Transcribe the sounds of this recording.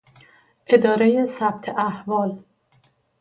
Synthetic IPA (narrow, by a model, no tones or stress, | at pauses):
ʔe̞d̪ɒːɾejesæb̚t̪ʰeʔæhvɒːl